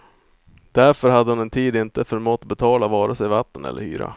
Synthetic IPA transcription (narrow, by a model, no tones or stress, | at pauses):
d̪̥æɾfœɾɦad̪ːəhʊnɛnt̪ʰiːd̪ɪnt̪əfœɾmɔːt̪bɛt̪ʰɑːlavɑːɾasɛjvat̪ːənɛ̰lːə̰hy̰ːɾa̰